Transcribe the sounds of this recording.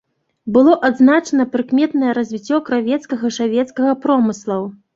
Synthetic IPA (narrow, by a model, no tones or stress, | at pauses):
bɨlˠɔʔad̪znat͡ʂɐnɐpɾɨkmʲɛt̪nɐjɛɾɐzʲvʲit͡sʲːɔkɾavʲɛt̪skɐɣɐʂavʲɛt̪skɐɣɐpɾɔmɨslˠɐw